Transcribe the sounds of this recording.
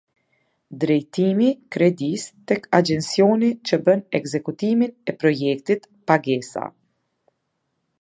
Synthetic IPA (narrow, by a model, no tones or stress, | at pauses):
d̪ɾɛjt̪imikɾɛd̪ist̪ɛkad͡ʒɛnsjɔnit͡ʃəbənɛɡzɛkut̪iminɛpɾɔjɛk̚t̪it̪ | paɡɛsa̰